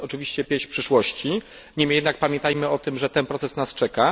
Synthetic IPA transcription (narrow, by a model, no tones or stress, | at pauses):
ɔt͡ʂɘvʲiɕt͡ɕɛpʲjẽɕpʂɘʂwɔɕt͡ɕi | ɲɛmɘjɛd̪nak̚pamʲjɛ̃nt̪ajmɘɔt̪ɘmʐɛt̪ɛnpɾɔt̪sɛsnast͡ʂɛka